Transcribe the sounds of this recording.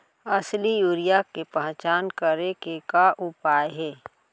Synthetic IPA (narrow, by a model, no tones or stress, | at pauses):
ɐslijuːɾijakepɐ̃ɦt͡ʃaːnkəɾekekaʔʊpaːjɦɛː